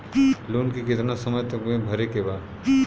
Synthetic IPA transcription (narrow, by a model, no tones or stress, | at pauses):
luːnkikɪt̪nasɐməjt̪əkẽbʱɐɾekebaːd̪